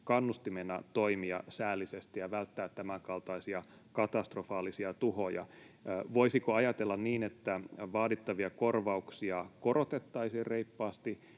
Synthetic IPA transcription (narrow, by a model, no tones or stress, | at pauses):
kɑnːust̪imenːæt̪oimiɑ̰sæːlːisest̪ijɑʋælt̪ːæːt̪t̪ːæmækɑlt̪ɑisiɑ | kɑt̪ɑst̪rofɑːlisiɑt̪uhojɑ̰ | ʋoisikoɑjɑt̪elːɑnniːnet̪ːæʋɑːdit̪ːɑʋiɑkorʋɑuksiɑkorot̪et̪ːɑisiːrreipːɑːst̪i